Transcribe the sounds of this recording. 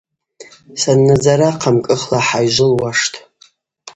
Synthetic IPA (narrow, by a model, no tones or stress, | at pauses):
sanːad͡zaɾaqʰamkʼɨχlaħajʒʷʊlwaʂtʼʰ